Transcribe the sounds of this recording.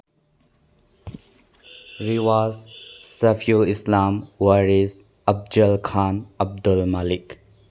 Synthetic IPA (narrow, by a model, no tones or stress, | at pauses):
ɾiwazsɐfʰjulislamwaɾiz | ɐb̚d͡ʒɐlkʰanɐb̚dulmalik